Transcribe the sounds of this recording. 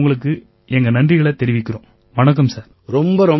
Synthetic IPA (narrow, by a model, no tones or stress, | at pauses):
ŋɡɐɭɯk̬ːɯ | ɛŋɡɐnɐndrɪɣɐɭɐt̪ɛɾɪʋɪkʲːɪrõː | ʋɐnɐk̬ːɐmsaːɾ | ɾɔmbɐɾɔ